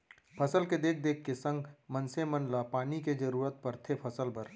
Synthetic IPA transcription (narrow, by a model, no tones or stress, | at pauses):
pʰɐsəlked̪eːk̚ʰd̪eːkʰkesə̃ŋɡmɐnsemɐnlapaːniked͡ʒɐɾuːɾət̪̚pɐɾt̪ʰepʰɐsəlbəɾ